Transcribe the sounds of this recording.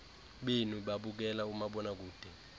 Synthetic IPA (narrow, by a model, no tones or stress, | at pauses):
ɓenuɓaɓuk̬ɛlaumaɓɔnak̬uːd̥ʱɛ